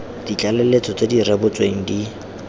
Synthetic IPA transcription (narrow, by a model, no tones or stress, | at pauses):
d̥it͡ɬʼalelet͡sʼɔt͡sʼedirebʊt͡sʼweŋ̩di